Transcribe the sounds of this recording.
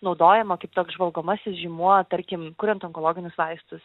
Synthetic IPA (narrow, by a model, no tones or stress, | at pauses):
nɒʊd̪oːjɛmɐkɐɪpt̪oːkzʒʋɐlˠɡoːmɐsʲɪsʒʲiːmuɔt̪ɐɾʲkʲɪmkʊɾʲɛnt̪ɔŋkolˠoːɡʲɪnʲʊsʋɐɪst̪ʊs